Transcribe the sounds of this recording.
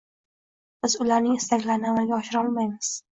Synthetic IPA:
b̥ɪzʊlaɾnɪŋɪst̪akʲlaɾnɪamalɡʲaɒʃɪɾɒlˠmajmɪz̥

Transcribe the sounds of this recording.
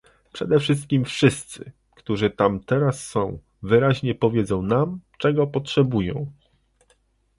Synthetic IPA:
pʂɛ̰d̪ɛfʂɘs̬t̪̚kʲimfʂɘst̪sɘ | kt̪uʐɘt̪amt̪ɛɾasːɔ̃w̃ | vɘɾaʑɲɛpɔvʲjed̪zɔ̃w̃namt͡ʂɛɡɔpɔtʂɛbujɔ̰̃w̃

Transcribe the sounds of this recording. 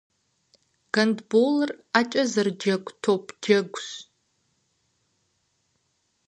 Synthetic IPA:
ɡ̥ɐndbolrat͡ʃʼazɨrd͡ʒɐkʷʼtʰopʼd͡ʒɐɡʷs

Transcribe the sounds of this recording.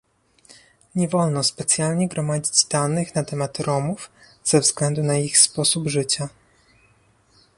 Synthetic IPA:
ɲɛvɔlnɔspɛt̪sʲjalɲɛɡɾɔmad͡ʑid͡ʑd̪anɘxnat̪ɛmat̪ɾɔmuf | z̥ɛvzɡlɛnd̪unaixspɔsubʐɘt͡ɕa

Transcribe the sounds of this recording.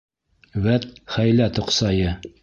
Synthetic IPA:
βæt̪χæjlæt̪ŏqsɑjɤ

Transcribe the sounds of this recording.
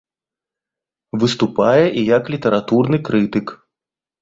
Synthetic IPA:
vɨst̪upajɛʔijɐklʲit̪ɛɾat̪urnɨkɾɨt̪ɨk

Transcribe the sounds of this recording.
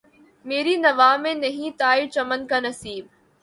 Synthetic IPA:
meːɾinɐʋaːmẽnɐɦĩt̪aːit͡ʃɐmənkanɐsiːb̚

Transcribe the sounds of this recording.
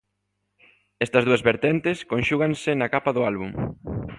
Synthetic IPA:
ɛst̪ɐzðuɐzβeɾt̪ɛnt̪ɪskonʃuɣɐnsɪnɐkapɐðʊalβum

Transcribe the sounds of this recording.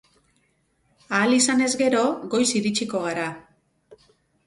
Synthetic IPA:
aːlisane̞zɡe̞ɾo̞ɣo̞jsiɾit͡ʃiko̞ɣ̞aɾa

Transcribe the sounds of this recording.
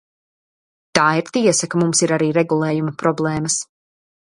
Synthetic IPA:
t̪aːiɾt̪iɛsɐkamumsiɾaɾiːɾɛɡulˠeːjumɐpɾɔblˠɛːmɐs

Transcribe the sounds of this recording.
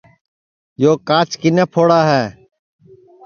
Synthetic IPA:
joːkaːt͡ʃkineːpʰoːɽaːɦɛː

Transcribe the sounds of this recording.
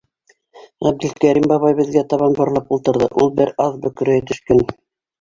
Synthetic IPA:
ʁæb̚d̪ɘ̆lkæɾimbɑβɑjbɘ̆ðɡæt̪ɑβɑnbɑ̆ɾlˠɑpulˠt̪ɤ̆ɾðɤ̰ʔulˠbɘɾɑðbɵkɵ̆ɾhɘt̪ɵ̆ʃkɘn

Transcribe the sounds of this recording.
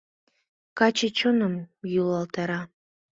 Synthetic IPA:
kɑt͡ɕet͡ɕonəmjulˠɑlˠt̪ɑɾɑ

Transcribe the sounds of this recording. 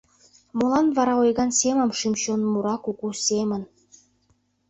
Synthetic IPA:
molɑnβɑɾɑojɣɑnsemə̆mʃimɕonmuɾɑkukusʲemə̆n

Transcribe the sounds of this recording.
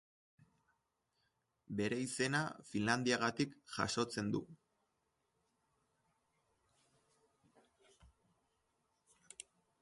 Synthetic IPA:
be̞ɾe̞ise̞nafinland̪iaɣat̪ikʝa̰ʃo̞t͡se̞nd̪ṵ

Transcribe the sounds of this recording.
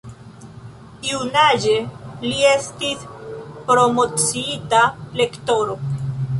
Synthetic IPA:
iunad͡ʒe̞lie̞stispɾo̞mo̞t͡siitale̞kto̞ɾo̞

